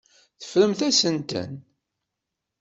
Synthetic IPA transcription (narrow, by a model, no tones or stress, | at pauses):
θə̥fɾəmθæsənt̪ə̰n